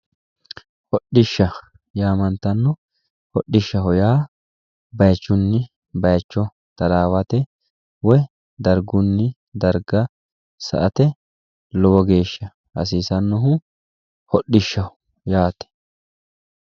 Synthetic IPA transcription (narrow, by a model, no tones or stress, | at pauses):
hɔɗɪʃːɐ | jaːmɐnt̪ɐnːʊ | hɔɗːɪʃːɐɦɔjaː | bɐjt͡ʃːʊnːɪ | bɐjt͡ʃːɔ | t̪ɐlaːwɐt̪ɛ | wɔj | d̪ɐɾɡʊnːɪ | d̪ɐɾɡɐ | sɐ̰ʔɐt̪ɛ | lɔwɔɡe̞ːʃːɐ | ɐ̰siːsɐnːɔɦʊ | hɔɗːɪʃːɐhʊ | jaːt̪ɛ̥